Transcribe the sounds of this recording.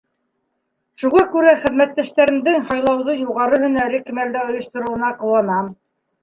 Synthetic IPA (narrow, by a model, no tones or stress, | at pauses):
ʃuʁɑkʉɾæχɘ̆ðmæt̪ːæʃt̪æɾɘ̆md̪ɘŋhɑjlˠɑwðɤjuʁɑɾɤɦɵ̆næɾɘkimæld̪æŏjŏʃt̪ŏɾŏwɤ̆nɑqɤ̆wɑnɑm